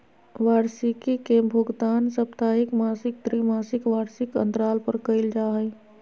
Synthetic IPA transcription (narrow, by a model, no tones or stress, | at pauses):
ʋaːɾsikikebʱʊɡd̪aːnsəp̚t̪aːɦɪkmaːsɪk̚d̪ɾimaːsɪkʋaːɾsɪkə̰̃nd̪ɾaːlpəɾkəɪld͡ʒaɦəɪ